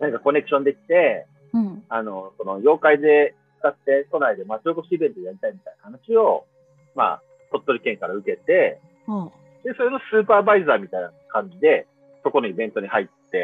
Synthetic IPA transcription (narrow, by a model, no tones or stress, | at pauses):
nãŋkako̞ne̞kɯ̟̥ɕõ̞nd̪e̞kʲi̥t̪e̞ | ano̞so̞no̞jo̞ːkaid̪e̞t͡sɨ̥kat̪ːe̞ko̞naid̪e̞masokoɕiːbe̞nt̪ojaɾʲit̪aimʲit̪ainahanaɕio̞ | ma̰ | t̪o̞t̪ːo̞ɾʲikẽ̞ŋkaɾaɯ̟ke̞t̪e̞ | d̪e̞so̞ɾenosɨːpaːbaizaːmʲit̪ajna | kãɲ̟d͡ʑid̪e̞ | so̞ko̞noibẽ̞nt̪o̞ɲ̟ihait̪ːe̞